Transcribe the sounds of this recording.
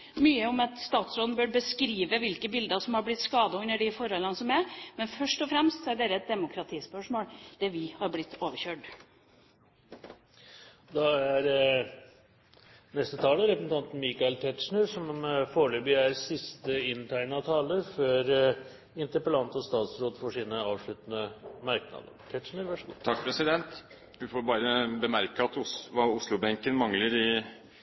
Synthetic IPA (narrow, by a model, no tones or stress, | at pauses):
myːəɔmɑt̪st̪ɑːt̪sɾɔːd̪nbøːɾbəskɾiːʋəʋɪlkəbɪld̪əsɔmhɑɾblɪt̪skɑːd̪ɑʉnːəɖɪfɔɾhɔlːənəsɔmæɾmɛnfœʂʈɔfɾɛmst̪sɔæɖeːɾəɛt̪̚d̪ɛmʊkʰɾɑt̪ʰiːspœʂmoːld̪̥ɛʋɪhɑɾblɪt̪ʰːoːʋəɾçøːʈ | d̪ɑæɾ | nɛst̪ət̪ʰɑːləɾɛpəsn̩t̪ɑnt̪n̩miːkɑɛlt̪ʰɛt̪ʂɳəɾʂɔmfoːɭøːbɪæːɾsɪst̪əɪnt̪ʰæɪnɑt̪ʰɑːləɾfɔɾ | ɪnt̪əɾpəlɑnt̪ɔst̪ɑːt̪sɾoːd̪fɔʂiːnəɑːʋʂɭʉt̪ənəmɑɾknɑ̰d̪ə̰ɾʈ̪ʰɛʈ̪ʂɳəɾʋæʂət̪ʰɑk̚ːpʰɾɛsɪd̪ɛnt̪ | ʋɪfoːɾbɑːɾəbəmæɾkəɑt̪ʊsʋɑʊslʊbɛŋkənmɑŋləɾɪ